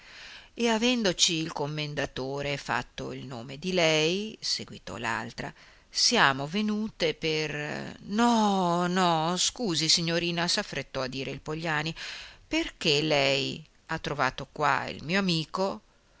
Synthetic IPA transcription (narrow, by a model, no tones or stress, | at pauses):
eavɛnd̪ot͡ʃiːlkomːend̪at̪oːɾefa̰t̪ːo̰ilnoːmed̪ilɛjseɡwit̪ɔ̰la̰lt̪ɾa̰ | sjaːmovenuːt̪epernɔnɔskuːzisiɲːoɾiːnasafːɾet̪ːɔad̪ːiːɾeilpoʎːaːniperk̟elɛj | at̪ːɾovaːt̪okwa̰ḭlmiːoamiːko